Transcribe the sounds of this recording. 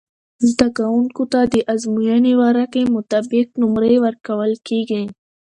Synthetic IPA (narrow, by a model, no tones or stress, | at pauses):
d̪ɐkaunkʊt̪ad̪iʔɐzmujaniwaːɾakemʊt̪abɪk̚nʊmɾeʋɐɾkɐwəlkiɡɐĩ